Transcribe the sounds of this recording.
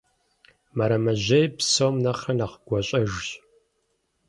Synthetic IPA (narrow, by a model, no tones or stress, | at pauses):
mɐɾɐmɐʑejpsomnɐχɐnaχɡ̥ʷɔɕʼɐʒɕ